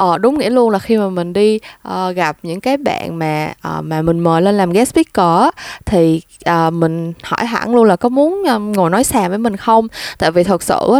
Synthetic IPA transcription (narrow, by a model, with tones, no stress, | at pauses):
ʔəː˨˩ɗʊ˨˦wŋ͡mŋḭ˧˥əlu˧ənlaː˨˩xi˧maː˨˩mï˨˩ŋ̟ɗi˧ʔəː˨˩ɣa˨˩p̚ɲɨ̰˧˥ŋkaː˨˦jɓa̰ː˧˨nmaː˨˩ʔəː˨˩maː˨˩mï˨˩ŋ̟məː˨˩jle˧nlaː˨˩mɣɛ˨˦˥spi˦˥kkə˧˩˦t̪ʰi˨˩ | ʔəː˨˩mï˨˩ŋ̟hɔ̰˧˩jɦa̰˧˩ŋlu˧ənlaː˨˩kɔ˨˦mu˨˦ənʔːŋo˨˩jnɔ˨˦jsaː˨˩vəː˨˦jmï˨˩ŋ̟xə˧wŋ͡mt̪a̰ː˧˨jvi˨˩t̪ʰə˨˩t̚sɨ̰˧˨˦